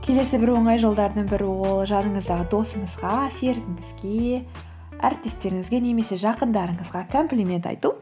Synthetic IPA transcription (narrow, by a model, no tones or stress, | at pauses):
kʲʰe̞le̞sɪbɪɾwo̞ɴɑjʒo̞lˠd̪ɑɾd̪əɴbɪɾɪwo̞lˠʒɑnəɴəzd̪ɑʁəd̪o̞səɴəzʁɑse̞ɾɡʲɪŋɡɪzɡʲe̞ | æ̰ɾɪp̚t̪e̞st̪e̞ɾɪŋɪzɡʲe̞ne̞me̞se̞ʒɑqənd̪ɑɾəɴəzʁɑkʰo̞mplʲimʲe̞nt̪ɑ̰jt̪u